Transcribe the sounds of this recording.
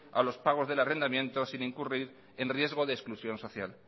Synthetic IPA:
a̰lo̞spaɣ̞o̞zðe̞lare̞nd̪amjẽ̞nt̪o̞sinĩŋkuriɾ | e̞nrje̞zɣ̞o̞ðeːsklusjo̞nso̞θja̰l

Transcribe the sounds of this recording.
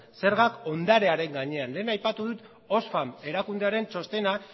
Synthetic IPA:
se̞ɾɣako̞nd̪aɾe̞aɾe̞ŋɡaɲe̞anle̞ːnajpat̪uðut̪ | o̞sfame̞ɾakund̪e̞aɾe̞nt͡ʃo̞st̪e̞na

